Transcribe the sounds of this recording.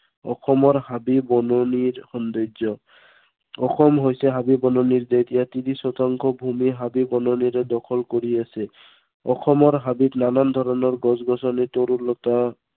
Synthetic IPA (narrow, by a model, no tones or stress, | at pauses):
ɔ̰xɔmɔɹhabibɔnɔniɹxɔnd̪ozɔ | ɔxɔmɦojsɛɦabibɔnɔniɹd̪et̪ijat̪inisɔt̪aŋkʰɔbʱumiɦabibɔnɔniɾɛd̪ɔkʰɔlkoɹiasɛ | ɔxʰɔmɔɹɦabitnanand̪ʱɔɾɔnɔɹɡɔzɡɔsɔnit̪oɾulɔt̪a